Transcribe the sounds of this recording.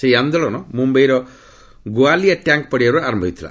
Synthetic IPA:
sejand̪ɔlɔnɔmũmbejɾɔ | ɡoaliaʈjãŋk̚pɔɽiaɾuaɾɔmbʱɔit̪ʰila̰

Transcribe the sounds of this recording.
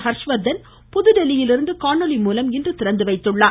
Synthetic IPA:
hɐɾʂʋɐd̪ːɐn | pʊðɯɖɛlɪjɪlɪɾɯnd̪ɯkaːɳɔlɪmuːlɐmɪndrɯt̪ɪɾɐnd̪ɯʋɐɪt̪ːɯɭːaː

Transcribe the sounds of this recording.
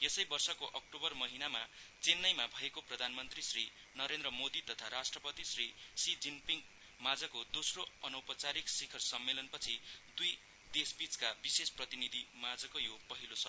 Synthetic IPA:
jesʌjbʌrsʌkoʔʌk̚ʈobʌrmʌɦinamat͡senːʌjmabʱʌekoprʌd̪ʱanmʌnt̪risri | nʌɾend̪rʌmod̪it̪ʌt̪ʰaɾasʈrʌpʌt̪isrisid͡zinpiŋk | mad͡zʌkod̪osroʌnʌwpʌt͡saɾiksikʰʌrsʌmːelʌnpʌt͡sʰid̪uj | d̪esbit͡skabisesprʌt̪inid̪ʱimad͡zʌkojopʌɦilot͡sʰʌ

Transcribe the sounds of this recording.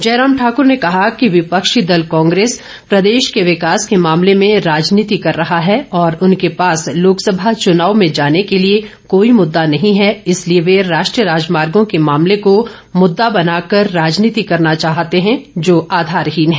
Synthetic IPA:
d͡ʒɛːɾaːmʈʰaːkʊɾnekɐɦakiʋɪpɐkʃid̪ɐlkɔ̃ːŋɡɾeːs | pɾɐd̪eːʃkeʋɪkaːskemaːmlemẽɾaːd͡ʒniːt̪ikɐɾːɐɦaɦɛɔːɾʊnkepaːsloːksɐbʱat͡ʃʊnaːʋmẽd͡ʒaːnekelie | koːimʊd̪ːanɐɦĩɦɛɪslieʋeɾaːʃʈɾijəɾaːd͡ʒmaːɾɡõkemaːmleko | mʊd̪ːabɐnaːkɐɾːaːd͡ʒniːt̪ikɐɾnat͡ʃaːɦt̪eɦɛ̃d͡ʒoːʔaːd̪ʱaːɾɦiːnɦɛː

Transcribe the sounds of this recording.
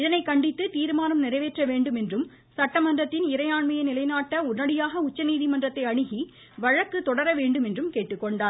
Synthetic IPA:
ɪðɐnɐɪkɐɳɖɪt̪ːɯt̪iːɾɯmaːnɐmnɪrɐɪʋeːʈrɐʋeːɳɖɯmɛndrɯm | sɐʈːɐmɐndrɐt̪ːɪnɪɾɐɪjaːɳmɐjɐnɪlɐɪnaːʈːɐʊɾnɐɽɪjaːɣɐʊt͡ʃːɐniːðimɐndrɐt̪ːɐɪɐɳɯɣi | ʋɐɻɐkːɯt̪ːɔɽɐɾɐʋeːɳɖɯmɛndrɯmkeːʈːɯkːɔɳɖaːɾ

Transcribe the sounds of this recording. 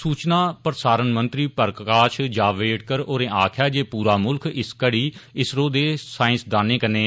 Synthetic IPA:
suːt͡ʃnaːpɾəsaːɾənmənt̪ɾiːpəɾkkaːʃd͡ʒaːʋeːʈkəɾoːɾẽːʔaːkʰjaːd͡ʒeːpuːɾaːmʊlkɪskəɽiːɪsɾõːd̪eːsaːɪ̃sd̪aːneːkəneː

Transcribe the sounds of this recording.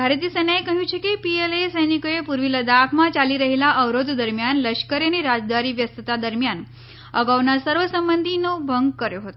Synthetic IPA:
ɡʱaɾet̪̬iːsənaekəɦũt͡ʃʰekipielesəjnikojepuɾʋiləd̪akʰmat͡ɕaliːɾəɦilaʔəʋɾod̪d̪əɾmjanləɕkəɾjeniɾad͡zd̪aɾiːʋjəst̪ət̪ad̪əɾmjan | əɡaʋnasəɾʋəsəmbənd̪ʱinobʱəŋɡ̚kəɾjoɦot̪o

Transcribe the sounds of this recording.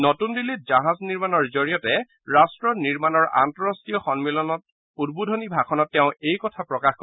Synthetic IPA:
notundilit̚zaɦazniɹmanɔɹzoɹijɔtɛ | ɹastɹɔniɹmanɔɹa̰ntɔɹastijɔxɔnmilɔnɔt̚ | udbudʱɔnibʱakɔnɔtːɛʊ̃ejkɔtʰapɹɔkaxkɔ

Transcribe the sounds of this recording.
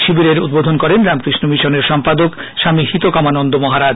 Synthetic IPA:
ʃibiɾeɾud̪bod̪ʱonkɔɾenɾamkɾiʃnomiʃoneɾʃɔmpad̪ok | ʃamihit̪okamanond̪omɔɦaɾad͡ʑ

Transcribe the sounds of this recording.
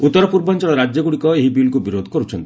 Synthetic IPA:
ut̪ːɔɾɔpuɾbɔnt͡ʃɔɭɔɾad͡ʒjɔɡuɽikɔeɦibilkubiɾod̪ʱɔkɔɾut͡ʃʰɔnt̪i

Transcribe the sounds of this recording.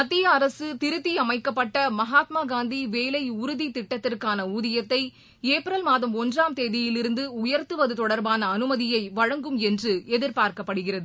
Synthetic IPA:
mɐt̪ːɪjɐːɾɐsɯt̪ɪɾɯt̪ːiɐmɐɪkːɐpːɐʈːɐmɐɦaːt̪maːɡaːnd̪iʋeːlɐɪʊɾʊðit̪ɪʈːɐt̪ːɪrkaːnɐuːðɪjɐt̪ːɐɪ | eːpɪɾɐlmaːðɐmɔndraːmt̪eːðɪjɪlɪɾɯnd̪ɯʊjɐɾt̪ɯʋɐðɯt̪ɔɽɐɾbaːnɐːnɯmɐðɪjɐɪʋɐɻɐŋɡɯmɛndrɯɛðɪɾpaːɾkɐpːɐɽɯɣɪrɐðɯ

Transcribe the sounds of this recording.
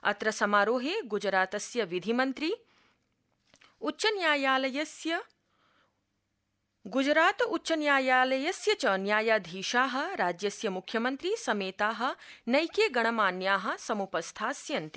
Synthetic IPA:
ɐ̰t̪ɾɐsɐmaːɾoːɦeːɡud͡ʒɾaːt̪ɐsjɐʋid̪ʱimɐnt̪ɾi | utːʃɐnjaːjaːlɐjɐsjɐ | ɡud͡ʒɾaːt̪utːʃɐnjaːjaːlɐjɐsjɐt͡ʃɐːnjaːjaːd̪ʱiːʃaːɦɐ̆ɾaːd͡ʒjɐsjɐmukʰjɐmɐnt̪ɾisɐmeːt̪aːɦɐ̆nɐjkeːɡɐɳɐmaːnjaːɦɐ̆sɐmupɐst̪ʰaːsjɐnt̪i̥

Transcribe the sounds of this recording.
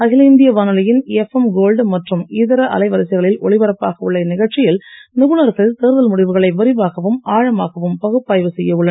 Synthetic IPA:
ɐɣɪlɐnd̪ɪjɐʋaːnɯlɐjɪnɛfɛmɡoːlɖmɐʈrɯmiːðɐɾɐʔɐ̰lɐɪʋɐɾɐsɪɣɐɭɪlʔɔɭɪʋɐɾɐpːaːɣɐʊɭːɐnɪɣɐɭt͡ʃɪjɪlnɪɣɯnɐɾɣɐɭt̪eːɾðɐlmʊɽɪʋɯɣɐɭɐɪʋɐɾɪʋaːɣɐʋɯmʔaːɻɐmaːɣɐʋɯmpɐɣɯpːaːjʋɯsɛjːɐɯɭːɐ

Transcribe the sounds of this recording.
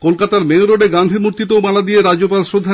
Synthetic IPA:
kolkat̪aɾmeoɾoɖeɡand̪ʱimuɾt̪it̪oomalad̪ijeɾaopalʃɾod̪ʱːa

